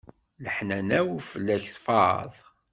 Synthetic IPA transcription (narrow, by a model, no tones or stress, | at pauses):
ləħnænæwifəlːæçθfɑɾ̰ðˤ